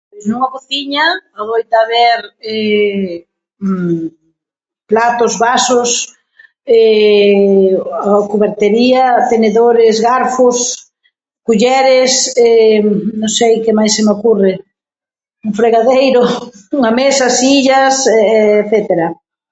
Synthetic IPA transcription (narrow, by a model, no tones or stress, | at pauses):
pjsnuŋaβoθiɲɐaβojt̪aβeɾɛ | plat̪ʊzβasʊs | ɛ | akuβeɾt̪eɾiɐt̪eneðoɾɪzɣaɾfʊs | kuʎɛɾɪsɛnõŋsejkemajsːɪmeokurɪ | ʊfɾeɣaðejɾʊuŋamesasiʎɐsθɛt̪eɾɐ